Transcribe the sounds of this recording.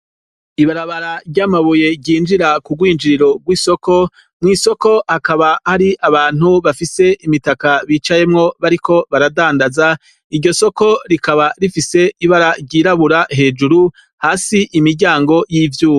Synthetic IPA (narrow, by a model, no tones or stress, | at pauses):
iβaɾaβaɾaɾɟaːmaβuje̞ɟɟiːnd͡ʒiɾakuɡwiːnd͡ʒiɾiɾo̞ɡwiːso̞ko̞ | mŋiːso̞ko̞hakaβahaɾiʔaβaːn̥huβafise̞ʔimitakaβiːt͡ʃaje̞mŋo̞βaɾiko̞βaɾadaːndaza | iɾɟo̞so̞ko̞ɾikaβaɾifise̞iβaɾaɾɟiːɾaβuɾaɦe̞ːd͡ʒuɾu | haːsiʔimiɾɟaːŋɡo̞jiːvjuːo